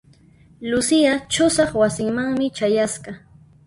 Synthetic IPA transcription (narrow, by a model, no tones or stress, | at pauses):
lʊsɪat͡ʃʊsɑχwasɪŋmaŋmɪt͡ʃajasɢɑ